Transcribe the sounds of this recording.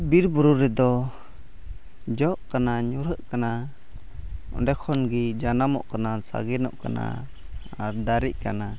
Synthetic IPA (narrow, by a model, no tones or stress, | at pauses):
biɾbuɾuɾɛd̪ɔ | d͡ʒɔʔkanaɲuɾəʔkana | ɔ̰dɛkʰɔnɡid͡ʒanamɔ̰ʔkanasa̰ɡɛnɔ̰ʔka̰na̰ | aɾd̪aɾiʔ̚kana